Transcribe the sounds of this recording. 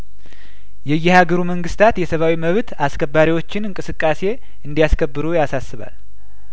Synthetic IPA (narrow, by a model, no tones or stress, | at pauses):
jɛjːɪhaɡəɾuməŋɡɨst̪ʰat̪jɛsəβawiməβt̪askʰəbːaɾiwo̞t͡ʃːɪnɨŋkʼɨsɨkʼːase̞ | ɨnd̪ijaskʰəbːɨɾujasasːɨβa̰l